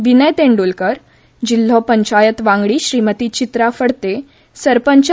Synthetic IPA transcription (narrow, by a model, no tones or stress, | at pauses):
ʋinəjt̪eɳɖulkəɾ | d͡ʑil̤ːɔpəɲt͡ɕajət̪ʋãŋɡɽiːɕɾiːmət̪iːt͡ɕit̪ɾafəɽt̪e | səɾpəɲt͡ɕ